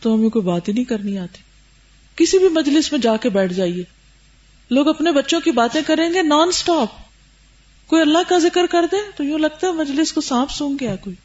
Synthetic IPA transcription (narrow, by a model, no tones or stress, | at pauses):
t̪oɦɐmẽkoːibaːt̪inɐĩkɐɾniaːt̪i̥ | kɪsibʱimɐd͡ʒlɪsmẽd͡ʒaːkebɛːʈʰd͡ʒaːieː | loːɡɐpnebɐtːʃõkibaːt̪ẽkɐɾẽːŋɡenaːnsʈaːp̚ | koːiɐlːaɦkazɪkəɾkɐɾd̪ẽt̪ojũːlɐɡ̚t̪aɦɛmɐd͡ʒlɪskosãːpʰsũːŋɡɡɐjakoːiː